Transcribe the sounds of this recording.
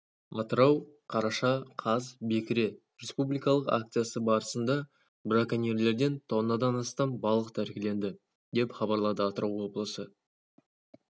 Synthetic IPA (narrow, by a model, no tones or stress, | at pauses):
ɑt̪əɾɑwqʰɑɾɑʃɑqʰɑzbe̞kʲɪɾe̞ | ɾʲespublijkɑlˠəqa̰k̚t̪sɨjasəbɑɾəsənd̪ɑ | bɾakanʲeɾle̞ɾd̪e̞nt̪ʰonːɑd̪ɑnɑst̪ɑmbɑlˠəqt̪ʰæɾkʲɪle̞nd̪ɪ | d̪e̞pχɑbɑɾlˠɑd̪əɑt̪əɾɑwwo̞blˠəsə